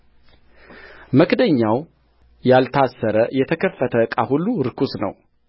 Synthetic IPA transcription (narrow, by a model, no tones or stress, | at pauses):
məkd̪əɲːaw | jalt̪ʰasːəɾəjɛt̪ʰəkʰəfːət̪ʰəkʼahulːuɾɨkʰusnə̰w